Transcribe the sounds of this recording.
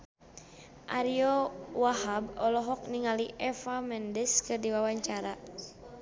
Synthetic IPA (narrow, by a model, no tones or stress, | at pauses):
ʔa̰ɾiɔwaɦabɔlɔɦɔk̚niŋaliʔɛfamɛndɛskɨrdiwawaɲt͡ʃaɾa